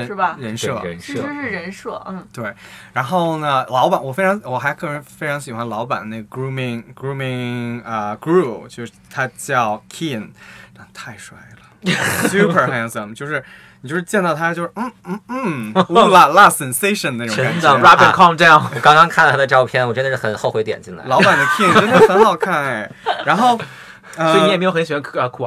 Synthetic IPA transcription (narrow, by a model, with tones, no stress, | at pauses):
ə˧˥ʂ̩˥˩ɻə˧˥nʂɤ˥˩˧ʂɻ̩˥˩ɻə˧˥nʂɤ˥˩˥t̪we˥˩ɪɻa˧˥nxo˥˩ʊnə˩lɑ˧˥ʊpa˨˩˦nwɔ˨˩fe˥ɪʈ͡ʂʰɑ˧˥ŋwɔ˨˩xa˧˥ɪkʰɤ˥˩ə˧˥fe˥ɪʈ͡ʂʰɑ˧˥ŋɕi˨˩xwa˧˥nlɑ˧˥ʊpa̰˨˩nne˥˩ɡə˩ɡɹu˥mɪ˧ŋɡɹu˥mi˧ə˩ɡɹu˥˩t͡ɕjo˥˧ʊʂɻ̩˥˩t̪ʰa˥t͡ɕjɑ˥˩ʊkʰi˥˩nna˥˩t̪ʰa˥˩ɪʂwa˥˩ɪlə˩sju˥pʰə˞˨˩xæ˥˧nsə˨˩mt͡ɕjo˥˧ʊʂɻ̩˥˩ | ni˨˩t͡ɕo˥˧ʂɻ̩˥˧t͡ɕjɛ˥˧nt̪ɑ˥˩ʊt̪ʰa˥t͡ɕjo˥˧ʊʂɻ̩˥˧n̩˥˩˥la˥˧la˥˩sɛ˨˩nse˥ɪʂə˨˩nd̪ə˧e˥˩ə˥˩˧ɑ˥˩˧ɹa˥pi˥˧˩kʰɑ˥˧ŋʈ͡ʂa˥˧˩wɔ˨˩kɑ˥ŋkɑ˥ŋkʰa˥˩nʰ˥˩a˥ə˧ʈ͡ʂɑ˥˧ʊpʰjɛ˥˩nwɔ˨˩ʈ͡ʂə˥nd̪ə˧˩ʂɻ̩˥˩xə˨˩nxo˥˧ʊxwe˧˥ɪt̪jɛ̰˨˩nt͡ɕi˥˩nla̰˧˦lɑ˧˥ʊ˦ba˨˩nd̪ə˦kʰi˥˩nʰ˥˩fa˥nxɑ˥˧ʊkʰa˥˩ne˩ɻa˧˥nxo˥˩ʊ | əɔ˧˥˨ɛ˨˩m˧˥jɕi˨˩wa˥ə˧˩kʰ